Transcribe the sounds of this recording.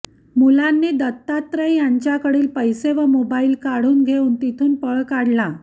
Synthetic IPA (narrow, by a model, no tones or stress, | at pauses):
mulanːed̪ət̪ːat̪ɾəjjaɲt͡ɕjakəɽiːlpəjseʋəmobaiːlkaɽ̤uːnɡʱeuːnt̪it̪ʰuːnpəɭkaɽla